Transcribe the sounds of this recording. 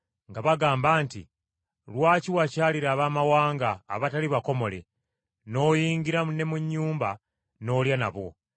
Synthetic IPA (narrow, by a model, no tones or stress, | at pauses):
ŋɡaβaɡaːmbaːntḭ | lwaːciwacaːliɾaːβaːmawaːŋɡa̰ːβataliβako̞mo̞le̞̰ | no̞ːjiːŋɡiɾamune̞muɲːuːmba | no̞ːljana̰βo̰